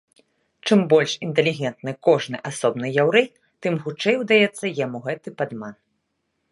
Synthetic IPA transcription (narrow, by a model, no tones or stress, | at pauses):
t͡ʂɨmbɔlʲʂint̪ɛlʲiɣʲɛnt̪nɨkɔʐnɨʔasɔbnɨjawɾɛj | t̪ɨmxut͡ʂɛjwd̪ajɛt̪sːɐjamuɣɛt̪ɨpad̪man